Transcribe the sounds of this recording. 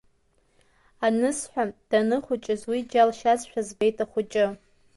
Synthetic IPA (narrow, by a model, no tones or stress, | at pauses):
anɨsħʷᶣad̥anɨχʷʊt͡ʃʼɪzwid͡ʒalʃazʃʷᶣazbejtʰʼaχʷʊt͡ʃʼɪ